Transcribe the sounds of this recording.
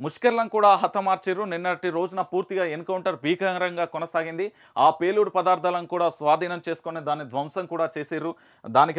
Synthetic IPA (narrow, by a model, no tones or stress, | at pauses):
muʂkɐɾlɐmkuːɽaːɦɐt̪ːɐmaːɾt͡ʃeːɾuninːɐʈiɾo̞ːd͡ʒunɐpuːɾt̪iɡaːenkɐwɳʈɐɾbʱiːkɐŋɾɐŋɡaːkɔnɐsaːɡind̪i | aːpe̞ːluːɽpɐd̪aːɾt̪ʰaːlɐnkuːɽaːsʋaːd̪ʱiːnɐmt͡ʃe̞ːsu̥konid̪aːnːid̪ʋɐmsɐŋkuːɽaːt͡ʃeːseːɾu | d̪aːnik